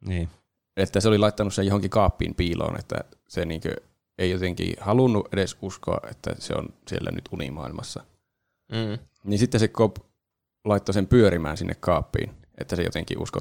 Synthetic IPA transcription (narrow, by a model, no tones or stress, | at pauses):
niː | et̪ːæseolilɑit̪ːɑnussejohoŋkikɑːpːḭːmpiːlo̰ːnḛt̪ːæ̰seniːŋkø̰ | eijot̪eŋkḭːhɑlunːuʔʔedesuskoɑ̰ʔʔet̪ːæ̰sḛo̰nsielːæ̰nyt̪unḭmɑilmɑsːɑ | ninsit̪ːesekop | lɑit̪ːosempyøɾimæːnsinːekkɑːpːḭːn | ʔḛt̪ːæsejo̰t̪eŋkḭʔṵsko